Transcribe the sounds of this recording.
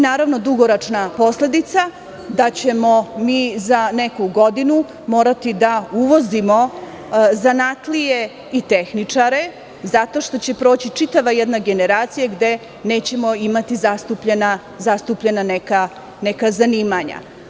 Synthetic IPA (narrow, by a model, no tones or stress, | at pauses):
naːɾaʋno̞d̪uɡoɾot͡ʂnapo̞sle̞d̪it̪sa | d̪at͡ɕe̞mo̞miːzane̞kuɡo̞d̪inu | mo̞ːɾat̪id̪auʋo̞zimo̞ | zanat̪lije | it̪e̞xnit͡ʂaɾe̞ | zat̪o̞ʃt̪o̞t͡ɕe̞pɾo̞ːt͡ɕit͡ʂit̪aʋajed̪naɡe̞ne̞ɾaːt̪sijaɡd̪e̞ | ne̞ːt͡ɕe̞mo̞imat̪izast̪upʎena | zast̪upʎenaneka | nekazaniːmaɲa̰